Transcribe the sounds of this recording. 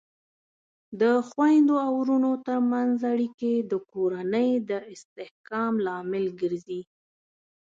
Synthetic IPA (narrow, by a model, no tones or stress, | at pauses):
d̪əxwajnd̪oawɾunot̪əɾmanzaɽiked̪əkoɾanəjd̪əɪst̪ɪhkɑmlɑmɪlɡəɾzi